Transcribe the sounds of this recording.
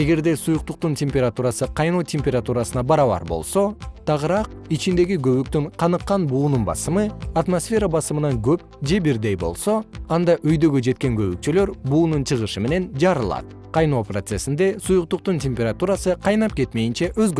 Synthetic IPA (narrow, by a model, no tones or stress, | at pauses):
e̞ɡe̞ɾd̪e̞sujuq̚t̪uq̚t̪untʲemʲpʲeɾat̪uɾɑsɯqʰɑjnoːtʲemʲpʲeɾat̪uɾɑsɯnɑbɑɾɑβɑ̰ɾbo̞̰lˠso̞t̪ʰɑʁɯɾɑq̚it͡ʃind̪e̞ɡiɡø̞βyk̚t̪yɴqʰɑnɯqːɑnbuːnunbɑ̰sɯmɯat̪mosfʲe̞ɾabɑsɯmɯnɑŋɡøp̚ | d͡ʒe̞biɾd̪e̞jbo̞̰lˠso̞ɑnd̪ɑʔøjd̪ø̞ɡød͡ʒe̞t̪̚ke̞ŋɡø̞βyk̚t͡ʃyløɾbuːnunt͡ʃʰɯʁɯʃɯme̞ne̞nd͡ʒɑɾɯlˠɑ̰t̪̚ | qʰɑjno̞ːprot̪se̞sind̪e̞sujuqt̪uq̚t̪unt̪ʲemʲpʲeɾat̪uɾɑsɯqʰɑjnɑp̚ke̞t̪me̞jint͡ʃeʔøzɡø